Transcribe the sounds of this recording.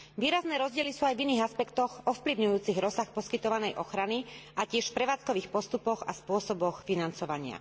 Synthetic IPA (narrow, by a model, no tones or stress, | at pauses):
ʋiːɾaznɛːɾɔzɟɪɛlisuːajviniːɣaspɛkt̪ɔxɔfpliʊɲujuːt͡siɣɾɔsaxpɔskit̪ɔʋanɛjʔɔxɾaniʔacɪɛʃfpɾɛʋaːt͡skɔʋiːxpɔst̪upɔɣaspʊɔsɔbɔxfinant͡sɔʋaɲɪa̰